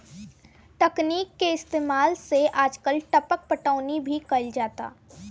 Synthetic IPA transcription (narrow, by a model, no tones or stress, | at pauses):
ʈɐkniːkːeɪst̪eːmaːlseʔaːd͡ʒkəlʈɐpək̚pəʈəːʊnibʱikɐld͡ʒaːt̪a̰ː